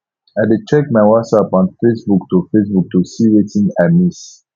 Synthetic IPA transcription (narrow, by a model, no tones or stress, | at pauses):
adet͡ʃɛk̚maɪwasapɔ̃nfesbuk̚tufesbuk̚tusiɹetĩŋamis